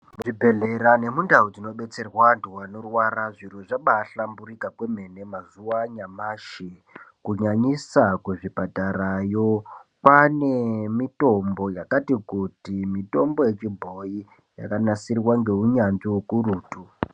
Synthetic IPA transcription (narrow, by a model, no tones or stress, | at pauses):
muʐibʱe̞ɮe̞ɾane̞mundaud͡zino̞ɓe̞t͡se̞rwanduwano̞rwaɾaʐiroʐaɓaːɬamburikakwe̞me̞ne̞mazuwaɲamaʃi | kuɲaɲisakweʐipataɾajo̞pane̞mito̞mbo̞jakatikutimito̞mbo̞je̞t͡ʃibʱo̞i | ja̰kanasirwaŋɡe̞uɲanʐiukuruːtu